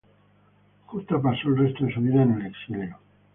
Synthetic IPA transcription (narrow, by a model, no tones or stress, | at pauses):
xut̪apasoelrest̪oesuβiðaenuneksileno